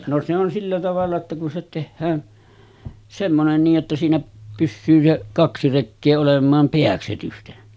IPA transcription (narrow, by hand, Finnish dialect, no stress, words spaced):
no se on silːæ tɑʋɑlːɑ tːɑ kun se tehːæːn semːonen niːʔ ʔetːæ siːnæ pysːyː se kɑksi rekːeː olemˑɑːm peæksetysten